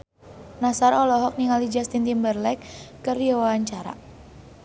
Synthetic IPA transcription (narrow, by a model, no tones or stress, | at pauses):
nasaɾɔlɔɦɔk̚niŋalid͡ʒast̪int̪imbərlɛkː | ərdiawawaɲt͡ʃaɾa̰